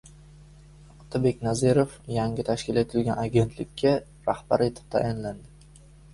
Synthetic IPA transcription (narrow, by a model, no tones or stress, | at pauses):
ɑqt̪ʰabe̞kʲnazeɾofjaŋʲɪt̪ʰaʃkʲɪle̞t̪ʰɪlɡʲanaɡʲe̞nt̪ʰlɪkʲʰːa | ɾahb̥aɾe̞t̪ʰɪ̥p̚t̪ʰa̰ʔɪnland̪ɪ